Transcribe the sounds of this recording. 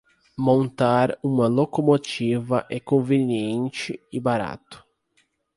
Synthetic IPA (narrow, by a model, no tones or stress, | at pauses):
mõnt̪aɾũmɐlokomot͡ʃivɐʔɛkõveniẽnt͡ʃɪɪbaɾa̰t̪ʊ̥